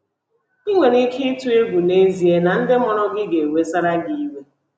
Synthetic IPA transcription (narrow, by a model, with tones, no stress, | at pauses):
i˦ŋʷe˨ni˦kʰi˦tu˦e˦ɡʷu˨ne˦zi˨e˦na˨n̩˦dɪ˦mɔ˨ɾɔ˦ɡɪ˦ɡe˨e˨we˦sa˦ɾa˦ɡi˦i˦we˦